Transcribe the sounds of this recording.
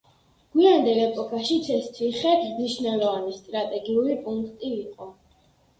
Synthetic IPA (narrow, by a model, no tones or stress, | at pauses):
ɡ̥wiand̪ɛlɛpʼɔkʰʼaʃit̪sʰɛst̪ʰiχɛt̪ʰmniʃnɛlˠɔvanist̪ʼɾat̪ʼɛɡiulipʼuŋkʰt̪ʼiːqʼɔ